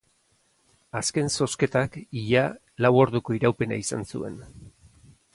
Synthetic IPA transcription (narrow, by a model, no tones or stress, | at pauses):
aske̞nso̞ske̞t̪akiʎa | lawo̞ɾðuko̞iɾawpe̞naisansṵe̞̰n